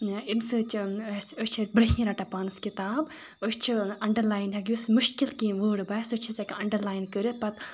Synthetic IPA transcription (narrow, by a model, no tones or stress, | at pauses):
imsɨt͡ʃʰsəsʲt͡ʃʰibɾɐɦĩːɾɐʈɐpaːnɨskit̪aːb | ost͡ʃʰiɐɳɖɐɾlaːjnɦɐɡʲjusmuʃkilkĩːʋəːɽbaːsɨt͡ʃʰisɐkʲɐɳɖɐɾlaːjnkɨɾɨpɐt̪